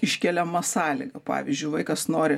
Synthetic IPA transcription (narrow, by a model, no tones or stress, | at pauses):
ɪʃʲkʲɛlʲɛmɐsɑːlʲɪ̰ɡɐpɑ̰ːʋʲɪzʲd͡ʒʲʊɪʋɐɪkɐsnoːɾʲɪ